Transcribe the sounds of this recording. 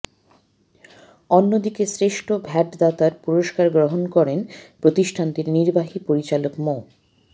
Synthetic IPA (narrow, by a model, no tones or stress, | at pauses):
onːod̪ikesɾeʃʈʰobʱɛʈd̪at̪aɾpuɾoʃkaɾɡɾoɦonkɔɾenpɾot̪iʃʈʰant̪iɾniɾbaɦipoɾit͡ɕalokmo